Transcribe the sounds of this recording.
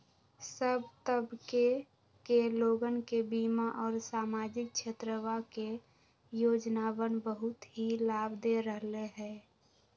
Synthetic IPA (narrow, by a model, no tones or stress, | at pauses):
səbt̪əbke | keloːɡənkebiːmaʔɔːɾsaːmaːd͡ʒɪk̚t͡ʃʰet̪ɾəwake | joːd͡ʒnawənbəɦʊt̪ɦilaːbd̪eɾəɦleɦɛː